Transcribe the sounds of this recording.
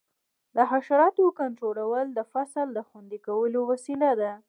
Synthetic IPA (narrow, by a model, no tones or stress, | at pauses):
d̪əɦaʃaɾɑt̪okant̪ɾolawəld̪əfasəld̪əxwand̪ikawəlowasilad̪a